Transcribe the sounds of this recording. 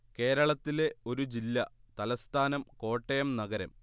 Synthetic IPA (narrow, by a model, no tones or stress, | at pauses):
ke̞ːɾɐɭɐt̪ːile̞o̞ɾud͡ʑilːɐt̪ɐlɐst̪ʰaːnɐmko̞ːʈːɐjɐmnɐɡɐɾɐm